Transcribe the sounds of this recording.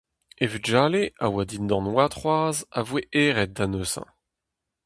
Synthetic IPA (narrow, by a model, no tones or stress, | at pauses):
evyʒaːleawad̪ind̪ɑ̃nwat̪χwaːzavweʔeːʁɛt̪̚d̪anøsɑ̰̃